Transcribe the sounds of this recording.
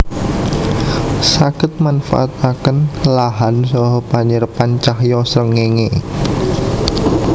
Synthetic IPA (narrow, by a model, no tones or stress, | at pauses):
sakɪt̪̚manfa̰ʔat̪akənlaɦansɔɦɔpaɲərpant͡ʃahjɔsɾəŋːeŋe